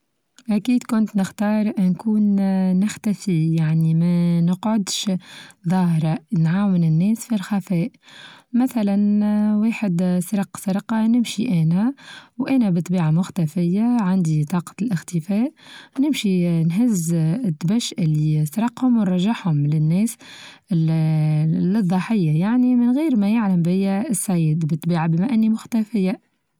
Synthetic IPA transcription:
ʔækiːd̪kʊnt̪nɪxt̪ɑːɾˤʔnkuːnːɪxt̪æfijaʕnimænəqʕʊd̪ʃðˤɑːhɾˤɑnʕaːwɪnɪnːɛːsfilxæfɛːʔmæθælænweːħɪd̪sɾɑqsɪɾqɑnɪmʃiʔɛːnæwʔæːnæbɨt̪ˤːbiːʕamʊxt̪æfɪjːaʕand̪it̪ˤɑːqɑ̥t̪lʔɪxt̪ɪfɛːʔnɪmʃinɦɪzɪt̪ːbæʃʔɪlːisɾˤɑqːhʊmwrˤɑʒːaħhʊmlɪnːɛːs | lɨðˤːɑħɪjːajaʕnimɪnɣiːɾmæjaʕlæmbɪjːæsːæjːɪd̪bɪt̪ːˤbiːʕabəmæʔɪnːimʊxt̪æfɪjːa

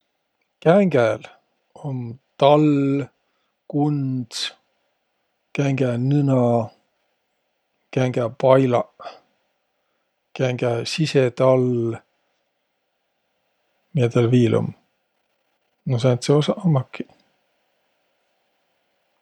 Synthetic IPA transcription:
kæŋɡ̥æl | omt̪ɑl | kund̪̥s | kæŋɡ̥ænɯnɑ | kæŋɡ̥æpɑjlɑ | kæŋɡ̥æsiset̪ɑl | miet̪ɑlviːlʔṵm | nos̬ɑnt̪seosɑʔɑmːɑkːi̥

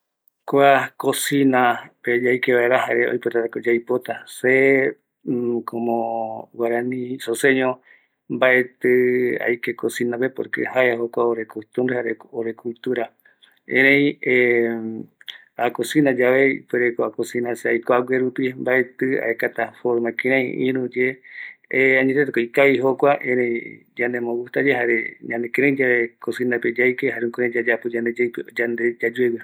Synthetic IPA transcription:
koakosĩnaped͡ʒajkeβaeɾaɦaɾeo̰jpot̪at̪akod͡ʒajpot̪ase | kʰomõwaɾãnĩsoseɲõ | mbaʔe̞t̪ɨa̰jkekosinãpepoɾkḛhajahokʷaoɾekut̪umɾehaɾeoɾekult̪uɾa | ẽɾ̃ẽje | akosĩnad͡ʒaβeḭpweɾekoakosinãseajkoawʷeɾupimbaet̪ɨa̰ekat̪afoɾmakĩɾãĩḭ̃ɾũd͡ʒe | aɲẽt̪et̪ekoikaiɦokʷaʔẽɾẽĩ | d͡ʒand̪emõɡuht̪ad͡ʒeɦaɾeɲãnd̪ekeɾẽĩd͡ʒaekosinaped͡ʒajkehaɾeukoɾẽd͡ʒad͡ʒapod͡ʒãnd̪ed͡ʒajped͡ʒand̪ed͡ʒad͡ʒuewi

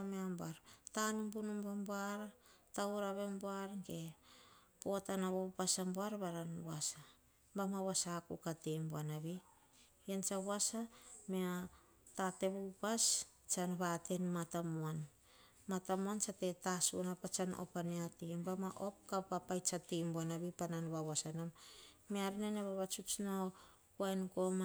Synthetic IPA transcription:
meambaɾtanumbunumbamboaɾatauɾaβemboaɾŋɡe | poatanaβopasamboaɾbaɾanwasa | mbamaβwasakukatembuanaβi | jant͡ʃaβwasamea | tate̞βupas | t͡ʃanβatenmatamuan | matamuant͡ʃatetasunapat͡ʃano̰paneatembamaʔo̞p̚kapapajt͡ʃatembuanaβipananβaβwasanam | meaɾineneβaβat͡ʃut͡ʃno | kuajnkoma

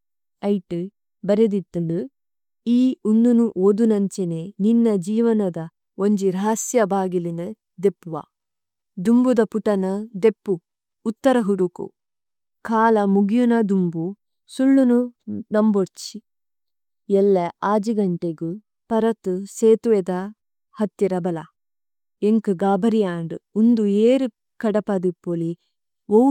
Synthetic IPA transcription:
ɐjʈu | bɐɾed̪it̪ːunu | iːund̪unuʔoːd̪unɐɲt͡ʃeneninːɐd͡ʒiːʋɐnɐd̪ɐ | oɲd͡ʒiɾaːsjɐbaːɡilinɐ | d̪epːʋa̰ | d̪umbud̪ɐpuʈɐnɐd̪epːuː | t̪ːɐɾɐɦuɾukṵ | kʰaːlɐmuɡijunɐd̪umbu | suɭːununɐmboɾt͡ʃi | ɛlːɐaːd͡ʒiɡɐɳʈeɡu | pɐɾɐt̪useːt̪uʋed̪ɐ | hɐt̪ːiɾɐbɐlɐ | eŋkɨɡaːbɐɾijaːɳɖɨund̪ueːɾi | kɐɽɐpɐd̪ipːoli | o

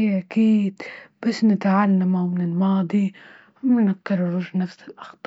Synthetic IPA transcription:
ʔakiːd̪b̥asːnɪt̪ʕalːamawmɪnɪlmɑːd̪ˤi | mɪnakːɪɾrˤʊʒnafsɪlʔɑ̥xt̪ˤː

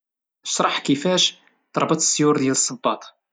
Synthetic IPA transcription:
əʃɾˤɑħkifæʃ | t̪ɾˤbət̪ˤsːjuɾd̪jæləsˤːəbːɑt̪ˤ

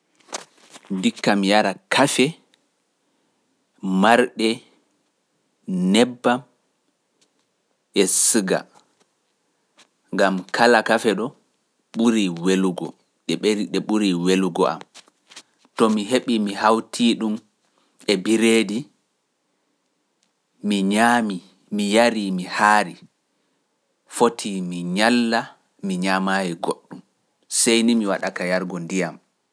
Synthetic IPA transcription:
dikːamijaɾakʰafɛ | maɾɗɛ | nɛbːam | ʔɛsɨɡa̰ | ŋɡamkʰalakafɛɗɔ | ɓuɾiweluɡɔ | ɗɛɓɾiɗɛɓuɾiweluɡɔa̰m | tɔmiɦeɓimihawtʰiɗum | ɛbiɾeːdi | miɲami | mijaɾimihaːɾi | fotʰimiɲalːa | miɲamajɛɡoɗːum | sejnimiwaɗakajaɾɡɔndijam

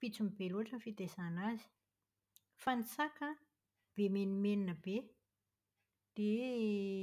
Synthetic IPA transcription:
pit͡sumibeluaʈ͡ʂənfid̪ezanazi̥ | fanisakə | b̥emenimeninəb̥e | d̪̥e

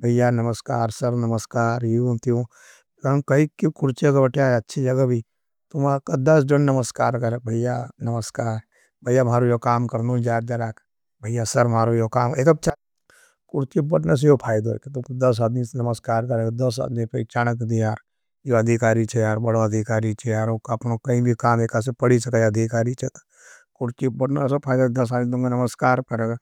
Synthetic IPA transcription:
bʱɐjanɐməskaːɾsɐɾnɐməskaːɾjit̪iũ | kɐmkɐikikʊɾt͡ʃekabɐʈjaɐtːʃʰid͡ʒɐɡabʱi | t̪ʊmakad̪ɐsd͡ʒʊnnɐməskaːɾkɐɾbʱɐjanɐməskaːɾ | bʱɐjːamaːɾũjokaːmkɐɾnũd͡ʒaːɾd̪ɐɾaːk | bʱɐjasɐɾmaːɾujokaːmek̪ɐb̚t͡ʃʰa | kʊɾt͡ʃibɐʈnes̬ejopʰaːjd̪o̰ket̪ʊmkd̪ɐs̬ad̪misnɐməskaːɾkɐɾeɡd̪ɐs̬a̰ːd̪mipɛt͡ʃaːnəkd̪iaːɾ | joɐd̪ʱikaːɾit͡ʃʰejaːɾbɐɽoɐd̪ʱikaːɾit͡ʃʰejaːɾokɐpnokɐĩbʱikaːmeːkas̬epɐɽisɐkajɐd̪ʱikaːɾit͡ʃʰet̪ | kʊɾt͡ʃibɐɽnesepʰaːjd̪od̪ɐs̬aːd̪id̪õŋɡanɐməskaːɾkɐɾeɡ

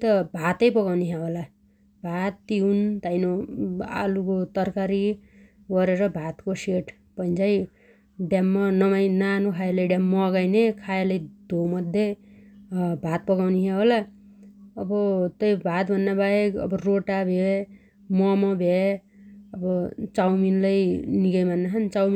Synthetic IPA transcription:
t̪ʌbʱat̪ʌjpʌɣawniɦãɦola | bʱat̪ːiunt̪ajnoa̰lukot̪ʌrkaɾi | ɡʌɾeɾʌbʱat̪koseʈ | pʌjnd͡zaj | ɖjamːʌnʌmajnanukʰajelʌjɖjamːʌɡajnekʰajelʌjd̪ʱomʌd̪ʱje | bʱat̪̚pʌɡawniɦʰaɦola | ʌbʌt̪ʌjbʱat̪̚bʱʌnːabaekʌ̰bʌroʈabʱe | mʌmʌbʱe | ʌbʌt͡sawminlʌjniɡʌjmanːaɦʌnt͡sawmi

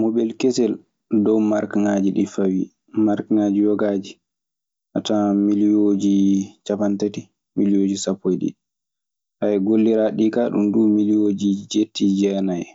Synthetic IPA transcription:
mɔbɛlkɛsɛl | dɔwmaɾkŋad͡ʒiɗifawi | maɾkŋad͡ʒiwɔɡad͡ʒi | ʔatamilijod͡ʒit͡ʃapantati | milijoːd͡ʒisapʰːojɗḭ | ʔajɛɡolːiɾaɗikaɗṵmdumilijod͡ʒid͡ʒetːid͡ʒɛnaj

